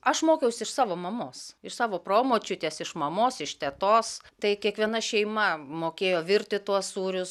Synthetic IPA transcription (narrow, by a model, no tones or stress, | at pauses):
ɐʃmoːkʲɛʊsʲɪʃsɑːʋoːmɐmoːsɪʃsɑːʋoːproːmoːt͡ʃʲʊt̪ʲeːsɪʃmɐmoːsɪʃt̪ʲɛt̪oːst̪ɐɪkʲiɛkʋʲiɛnɐʃʲɛɪmɐmoːkʲeːjoːʋʲɪɾʲt̪ʲɪt̪uɔsuːɾʲʊs